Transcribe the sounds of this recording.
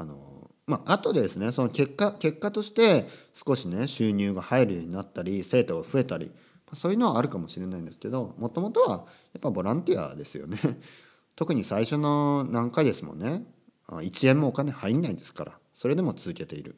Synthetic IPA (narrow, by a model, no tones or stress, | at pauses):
ano̞̰ | maʔat̪o̞d̪eesɨne̞so̞noke̞kːakʲe̞kːat̪o̞ɕi̥t̪e̞sɨ̥ko̞ɕine̞ɕɨːɲ̟ɨːɡahaeɾɯ̟jo̞̟inat̪ːaɾʲise̞ːt̪o̞ɡaɸɯ̟e̞t̪aɾʲḭ | maso̞ːjiɯ̟no̞aaɾɯ̟kamo̞ɕiɾe̞naĩnd̪e̞sɨ̥ke̞d̪o̞mo̞t̪o̞mo̞t̪o̞βajapːabo̞ɾãnt̪ia̰d̪e̞sɨjo̞̰ne̞ | t̪o̞kɯ̟ɲ̟isaiɕo̞no̞nãŋkaid̪e̞sɨmo̞̰nːe̞ | a̰it͡ɕiẽ̞mːoːkane̞haiɾʲinaid̪e̞sɨ̥ka̰ɾa̰ | so̞ɾe̞d̪e̞mo̞t͡sɨzɨke̞t̪e̞ḭɾɯ̟̰